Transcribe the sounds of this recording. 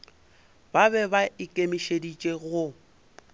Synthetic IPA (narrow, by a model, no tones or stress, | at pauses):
babɛbaɪkʼemiʃedit͡ʃʼeɣʊ